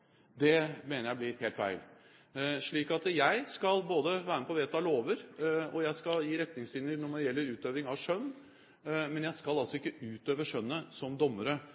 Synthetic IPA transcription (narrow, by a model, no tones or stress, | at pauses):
d̪ɛmeːnəɾjæɪblɪheːlt̪fæ̰ɪl | ʂɭiːkɑt̪jæɪskɑlboːd̪əʋæːɾəməpʰɔʋeːt̪ɑloːʋəɾɔjæɪskɑljiːɾɛt̪nɪŋsɪnjəɾnɔmɔd̪ɛjɛlːəɾʉːt̪øːʋɾɪŋɑʋʂœnː | mɛnjæɪskɑlɑlsɔɪkːəʉːt̪øːʋəʂœnːəsɔmd̪ɔmːəɾə